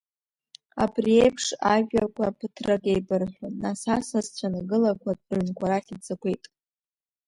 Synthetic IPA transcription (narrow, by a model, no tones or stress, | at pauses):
a̰briejpʰʂaʒᶣakʷapʰɨtʰrakʼejbɨrħʷᶣanasasazt͡ɕʷʰanɨɡɨlakʷʰad̚ʼnkʷaɾaχʲit͡sʰʼakʷe̞jtʼ